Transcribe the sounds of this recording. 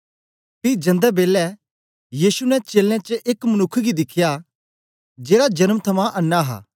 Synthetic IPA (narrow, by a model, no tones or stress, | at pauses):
pid͡ʒɐ̃nd̪ɛbeːlɛ | jiːsunɛt͡ʃeːlãt͡ʃəʔeːkmɐnʊkʰːɡid̪ɪkʰːja | d͡ʒeːɾad͡ʒɐnəmt̪ʰɐmãʔɐnːaɦa̰ː